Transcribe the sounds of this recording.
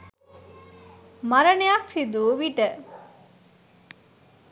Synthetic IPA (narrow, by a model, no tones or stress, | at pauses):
maɾənejaksid̪uːʋiʈə